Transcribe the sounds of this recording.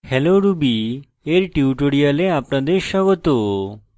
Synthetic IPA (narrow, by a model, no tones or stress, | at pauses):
hɛloɾubi | eɾʈiuʈoɽijaleapɳad̪eʃaɡɔt̪o